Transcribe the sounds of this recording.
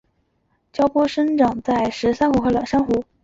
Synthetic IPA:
t͡ɕjɑ˥ʊpwɔ˥ʂə˥nʈ͡ʂɑ˨˩ŋt͡sa˥˩ɪʂɻ̩˧˥sa˥nxu˧˥xɤ˧˥lɑ˨˩ʂa˥nxu˧˥

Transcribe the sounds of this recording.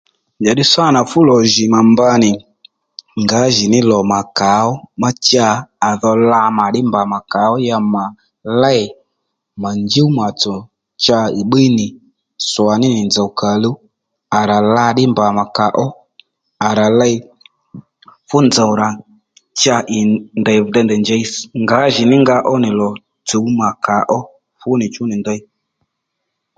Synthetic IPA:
d͡ʒa˨ɗɪ˦swa˦˨na˨fʊ˦lɔ˨ʒɪ˨ma˨mba˧˦nɪ˨ | ŋɡa˨˦ʒɪ˨nɪ˦lɔ˨ma˨ka˨˦ɔ˦ma˦t͡ʃaː˦˧˨ðɔ˧la˧ma˨ɗɪ˦mba˨ma˨ka˨˦ɔ˦ja˧ma˨ | la˦i˨ | ma˨nd͡ʒi˦u˦ma˨t͡sɔ˨ | t͡ʃa˧i˨ɓi˦nɪ˨ | swa˨nɪ˦nɪ˨nd͡za˨wka˨lu˦ | a˨ɾa˨la˧ɗɪ˦mba˨ma˨ka˨˦ʔɔ˦ | a˨ɾa˨lɛ˦˧j | fʊ˦nd͡za˨wɾa˨ | t͡ʃa˧ʔɪ˨ndɛ˨jvdɛ˧ndɛ˨nd͡ʒɛ˧i˦sŋɡa˨˦ʒɪ˨nɪ˦ŋɡa˧˦ʔɔ˦nɪ˨lɔ˨ | t͡so˨˦wma˨ka˨˦ʔɔ˦ | fʊ˦nɪ˨t͡ʃʊ˨˦nɪ˨ndə˧i˦

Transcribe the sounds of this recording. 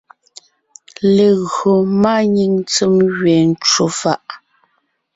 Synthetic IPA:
le˨ɣɰo˨maː˦ɲi˦˨ŋt͡sə˦mɣɥɛː˨n̩˦t͡ʃo˨fa˦ʔ

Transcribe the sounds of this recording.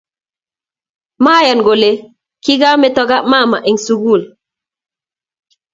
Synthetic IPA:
maː˦ja˨nɡo˨le˨ | ki˦ɡa˦mɛ˦tɔ˦ɡa˦ma˦˨ma˨ʔe˨ŋsu˨ɡu˦˨l

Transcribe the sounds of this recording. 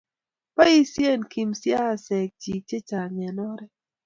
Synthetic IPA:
pa˦i˦sje˦˨nki˨msja˦˨sɛ˨k̚d͡ʒi˨k̚t͡ʃe˦t͡ʃa˨ɲɛ˨nɔ˦ɾɛ˦

